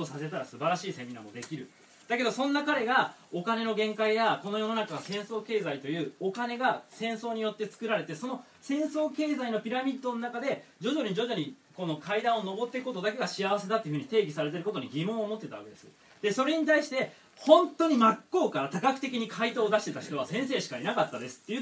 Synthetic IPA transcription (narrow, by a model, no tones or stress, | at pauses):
osase̞t̪aɾasɨbaɾaɕiːse̞mʲina̰mo̞d̪e̞kʲiɾɯ̟ | d̪̥ake̞d̪o̞sõ̞nːakaɾe̞ɡao̞kane̞no̞ɡẽ̞ŋkaijako̞no̞jo̞no̞nakaɡasẽ̞ɰ̃so̞ːke̞ːzait̪o̞jɯ̟ːo̞kane̞ɡasẽ̞ɰ̃so̞ːɲ̟ijo̞t̪ːet͡sɨ̥kɯ̟ɾaɾe̞t̪e̞so̞no̞ | sẽ̞ɰ̃so̞ːke̞ːzaino̞pʲiɾamʲid̪ːo̞nonakad̪e̞ | d͡ʑo̞ʑo̞ɲ̟id͡ʑo̞ʑo̞ɲ̟iko̞no̞kʰaid̪ãɰ̃ono̞bo̞t̪ːekɯ̟ko̞t̪o̞d̪ake̞ɡaɕijaβase̞t̪at̪ːeɯ̟ɯ̟ɲ̟it̪e̞ːɡʲisaɾe̞t̪̬e̞ɾɯ̟ko̞t̪oɲ̟iɡʲimõ̞ɰ̃oːmo̞t̪ːeaβa̰ke̞d̪e̞sɨ̰ | d̪̥e̞so̞ɾe̞ɲ̟it̪aiɕi̥t̪e̞ | hõ̞nt̪o̞ɲ̟imakːo̞ːkaɾat̪akakɯ̟̥e̞kʲiɲ̟ikʰait̪o̞ːd̪aɕi̥t̪e̞t̪açi̥t̪o̞βasẽ̞ɰ̃se̞ːɕi̥kainakat̪ːad̪e̞sɨ̥t̪ːe̞jɯ̟